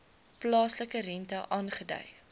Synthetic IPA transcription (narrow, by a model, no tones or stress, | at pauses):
plɑːsləkəɾɛntɐʔɑːnχədœ̰j